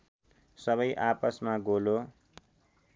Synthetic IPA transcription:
sʌβʌjʔapʌsmaɡolo

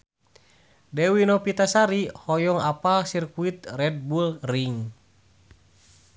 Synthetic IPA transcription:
dɛwinɔpit̪asaɾihɔjɔŋapasirkuit̪̚rɛd̚bulriŋ

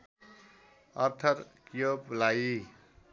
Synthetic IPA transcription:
ʌɾt̪ʰʌɾkijoplaji

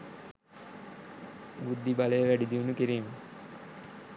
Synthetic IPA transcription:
bud̪ːibalejəʋæɖid̪iunukiɾiːmə

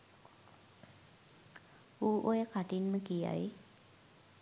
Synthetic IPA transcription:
uːʔojəkaʈinməkija̰j

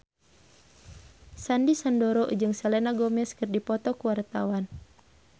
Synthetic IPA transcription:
sandisandɔɾɔʔd͡ʒɨŋsɛlɛnaɡɔmɛskɨrdipɔt̪ɔkuwart̪awan

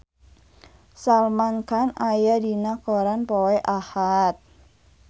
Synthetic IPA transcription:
salmankanajadinakoɾanpoɛʔahat̪̚

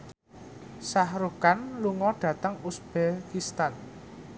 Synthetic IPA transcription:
sahɾukanluŋɔɖ̥ä̤t̪əŋusb̥ekist̪an

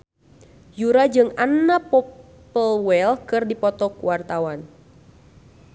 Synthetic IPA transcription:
juɾad͡ʒɨŋanːapɔ | pəlwɛlkɨrdipɔt̪ɔkwart̪awan

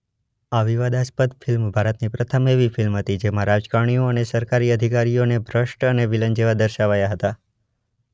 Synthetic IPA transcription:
aʋiʋad̪aspəd̪fʰɪlmbʱaɾət̪nipɾət̪ʰəmeʋifʰɪlmɦət̪id͡ʒemãɾad͡ʒkaɳ̃ijoənesəɾkaɾiəd̪ʱikaɾijonebʱɾəʃʈəneʋilənd͡ʒeʋad̪əɾʃaʋajaɦət̪a

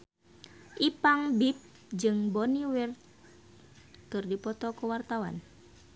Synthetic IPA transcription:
ʔipaŋbip̚ | d͡ʒɨŋbɔniwir | kɨrdipɔt̪ɔkuwart̪awa̰n

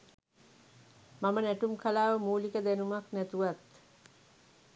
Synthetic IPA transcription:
mamənæʈumkʰalaːʋəmuːlikəd̪enumaknɛt̪uʋat̪

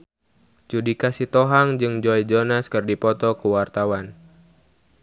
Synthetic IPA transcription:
t͡ʃudikasit̪ɔɦaŋd͡ʒɨŋd͡ʒɔid͡ʒɔnaskɨrdipɔt̪ɔkəwart̪awan

